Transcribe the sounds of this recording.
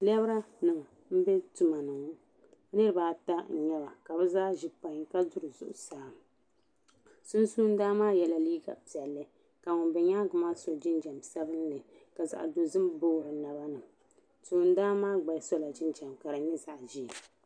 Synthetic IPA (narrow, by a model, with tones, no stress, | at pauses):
lɛ˦bɾa˦nɨ˨m˨ | m̩˦bɛ˦tu˨ma˨nɨ˨ŋ˦ | nɨ˦ɾɨ˦baː˦ta˦˨ɲɛ˦ba˨ka˨bɛ˦zaː˦ʒi˨pa˨ɲka˦zʊ˦ɾɨ˨zʊ̰˨ʔʊ˨saː˦˨ | sʊ˦nsuː˦n˦daː˦maː˦jɛ˨la˨liː˦ɡa̰˨pi˨ɛ˨lːɨ˦ | ka˨ŋʊ˨nbɛ˨ɲaː˦ɡʊ˨maː˦so˨d͡ʒɪ˦nd͡ʒa˨msa˦bɨ˦nlɨ˨ | ka˨za̰˨ʔdo˨zɨ˦mboː˦ɾʊ˨na˨ba˦nɨ˨m | suː˨˦n˦daː˦maː˦ɡ͡ba˨˦sɔ˦la˨d͡ʒɪ˦nd͡ʒa˨mka˨ɾɨ˨ɲɛ˦za˨ʔʒi˦˨